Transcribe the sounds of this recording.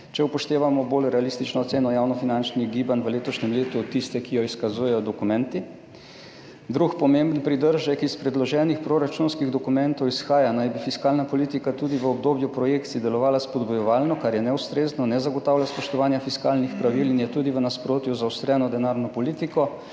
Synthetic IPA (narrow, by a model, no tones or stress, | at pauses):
t͡ʃɛupɔʃt̪eːʋamɔbolɾɛalist̪it͡ʃnɔːt̪seːnɔjawnɔfinant͡ʃniɡibanʋəleːt̪ɔʃɲɛmleːt̪ut̪ːist̪ɛkijɔiskazuːjɛjɔd̪ɔkumɛ̃nt̪i | d̪ɾukpɔmembnpɾid̪əɾʒɛkispɾɛd̪lɔʒɛːnixpɾoɾat͡ʃunskiɣd̪ɔkumɛ̃nt̪ɔwisxaːjanajbifiskaːlnapɔlit̪ikat̪uːd̪iʋəɔb̚d̪oːbjupɾɔjeːkt̪sid̪ɛlɔʋaːlaspɔd̪bɔjɔʋaːlnɔkaɾjɛnɛust̪ɾeːznɔnɛzaɡɔt̪aːwlʲaspɔʃt̪ɔʋaːnjafiskalnixpɾaʋilinjɛt̪uːd̪iʋənaspɾoːt̪juzawst̪ɾɛːnɔd̪ɛnaɾnɔpɔliːt̪ikɔ